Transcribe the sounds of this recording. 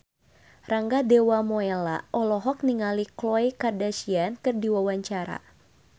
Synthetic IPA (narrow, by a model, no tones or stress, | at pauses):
raŋɡadewamɔela̰ʔɔlɔɦɔk̚niŋaliklɔjkardasiankɨrdiwawaɲt͡ʃaɾa̰